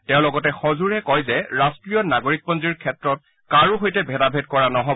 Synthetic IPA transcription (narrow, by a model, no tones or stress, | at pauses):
tɛʊ̃lɔɡɔtɛxozuɹɛkɔjzɛɹastɹijɔnaɡoɹik̚pɔnziɹkʰɛtɹɔt̚ | kaɹuɦojtɛbʱɛdabʱedkɔɹanɔɦɔb